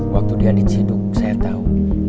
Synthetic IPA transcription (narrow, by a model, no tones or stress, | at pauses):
wak̚t̪udiadit͡ʃidʊk̚sajat̪au